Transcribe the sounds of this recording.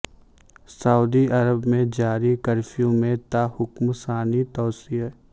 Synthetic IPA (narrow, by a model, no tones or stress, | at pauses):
sɐuːd̪iɐɾəbmẽd͡ʒaːɾikɐɾfʰijõmẽt̪ahʊkmsaːnit̪ɔːsiː